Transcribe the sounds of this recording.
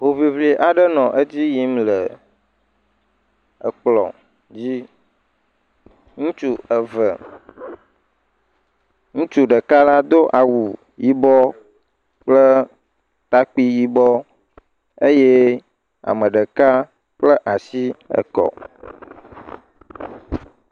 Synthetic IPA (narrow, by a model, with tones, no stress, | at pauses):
ɦo˨vi˨vli˨ʔa˨ɖə˦nɔ̃˨ʔə˦d͡ʑi˦ji˦mlə˨ | ə˨k͡plɔ̰˨ | d͡ʑi˦ | ŋũ˦t͡ʃu˦ə˨və˨ | ŋũ˦t͡ʃu˦ɖə˨ka˦la˦d̪o˦ʔa˨wu˨ | ji˦bɔ˦ | k͡plə˦ | t̪a˦k͡pi˦ji˦bɔ˦ | e˦je˦ | a̰˨mə̃˨ɖə˨ka˦ | k͡plə˦ʔa˨si˦ə̰˨kɔ̰˨